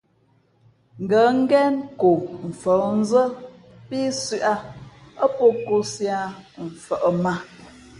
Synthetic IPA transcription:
ŋ̩˨ɡə˨˦ŋ̩˦ɡɛ˦nko˨m̩˨fə˨˦n̩˦zə˦ | pi˦sʉ˦ʔa˦ | ə˦po˦ko˦sja˦ɱ̩˨fə˨ʔə˨ma˦

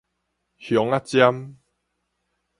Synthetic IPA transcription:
hjɔ˨˦ŋa˦t͡ɕja˦m

